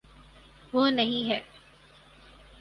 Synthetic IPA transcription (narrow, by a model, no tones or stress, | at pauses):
ʋoːnɐɦĩɦɛː